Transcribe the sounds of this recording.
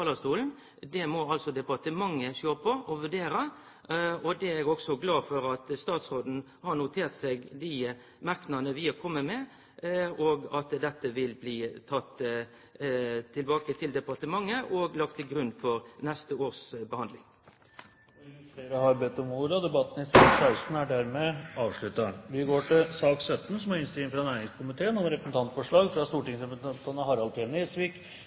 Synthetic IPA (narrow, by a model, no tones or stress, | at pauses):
ɑːlɑst̪uːln̩ | d̪ɛmɔɑlsɔd̪ɛpɑt̪əmɑŋːəʃøːpʰɔʔɔʋʉɖeːɾə | ɔd̪ɛɛɡɔksɔɡlɑːfɔɾɑt̪st̪ɑːt̪sɾoːd̪n̩ | hɑnʊt̪ʰeːʁt̪seɡd̪ɪ | mɑʁknɑnəʋiɔkʰɔmːəmɛ | ɔɡɑt̪d̪ɛt̪ːəʋɪlbliːt̪ʰɑt̪ː | t̪ʰɪlbɑːkət̪ʰɪld̪ɛpɑt̪əmɑŋːəʔɔɡlɑk̚t̪ʰːɪlɡɾʉnfɔɾnɛst̪əoːɾsbəhɑnd̪lɪŋ | seɾɑhɑɾbɛt̪ɔmuːɾəd̪ɛbɑt̪ːən̩ɪsɑːksæɪst̪n̩æɖæɾmɛɑːʋʂɭʉt̪ːɑʋɪɡoːʈɪlsɑːksœt̪ːn̩sɔmæɾɪnst̪ɪːɪŋfɾɑnæːɾɪŋskʰʊmɪt̪ʰeːənɔmɾɛpəsn̩t̪ʰɑnt̪fɔʂɭɑːɡfɾɑst̪uːʈɪŋsɛpəɑt̪ʰɑnəhɑɾɑlt̪ʰeːneːsʋɪk